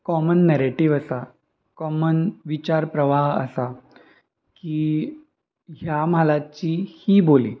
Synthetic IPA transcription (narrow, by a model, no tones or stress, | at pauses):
kɔmənːɛɾeʈiʋəsa | kɔmənʋit͡ɕaɾpɾəʋaɦə̰sa | kiː | ɦjam̤alat͡ɕiːhiːbolḭː